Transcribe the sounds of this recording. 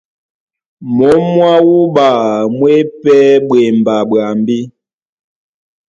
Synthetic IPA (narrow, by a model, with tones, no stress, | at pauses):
mɔ˨˦mwa˦wu˦ba˨mwe˦pɛ˦ɓwe˨m˨ba˨bɰa˨mbi˦